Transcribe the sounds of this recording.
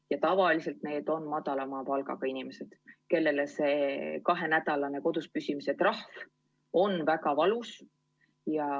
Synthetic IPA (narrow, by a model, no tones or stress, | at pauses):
jɑt̪ɑvɑlise̞lt̪ne̞ːd̪̥o̞nmɑd̪̥ɑlɑmɑːpɑlɡ̥ɑ̰ɡ̥ɑinime̞se̞d̪̥ke̞lːe̞le̞se̞kɑɦe̞næd̪ɑlɑne̞ko̞d̪̥uspysimise̞t̪rɑhv | o̞nvækɑvɑlus | jɑ